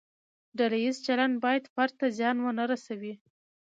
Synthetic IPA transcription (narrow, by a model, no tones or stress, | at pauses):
ɖalajizt͡ʃalanɖ̚bɑjad̪faɾt̪azjɑnwənaɾasawi